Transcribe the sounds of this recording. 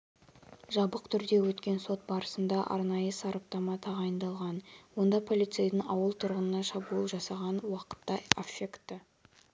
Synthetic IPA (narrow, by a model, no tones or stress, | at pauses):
ʒɑbəqt̪ʰʏɾd̪e̞wɵt̪kʲe̞nso̞t̪̚bɑɾəsənd̪ɑʔɑ̰ɾnɑjəsɑɾɑp̚t̪ɑmɑt̪ʰɑʁɑjənd̪ɑlˠʁɑnwo̞nd̪ɑpʰo̞lit̪sejd̪əɴɑwəlˠt̪ʰʊɾʁənənɑʃɑbuəlˠʒɑsɑʁɑnwɑqə̥t̪ːɑefekt̪ːə